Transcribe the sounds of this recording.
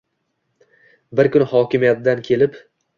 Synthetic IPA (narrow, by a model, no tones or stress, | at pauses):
bɪɾkʊnɪhɒkʲɪmijat̪̚d̪ankʲʰe̞lɪp